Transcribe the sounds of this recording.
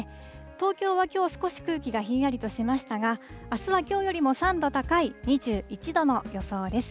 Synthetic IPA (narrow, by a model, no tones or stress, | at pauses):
t̪o̞ːkʲo̞ːβakʲo̞ːsɨ̥ko̞ɕi̥kɯ̟ːkʲiɡaçiːaɾʲit̪o̞ɕimaɕi̥t̪aɡaasɨβakʲo̞ːjo̞ɾʲimo̞sãnd̪o̞t̪akaiɲ̟iʑɨːit͡ɕid̪o̞no̞jo̞so̞ːd̪e̞sɨ̥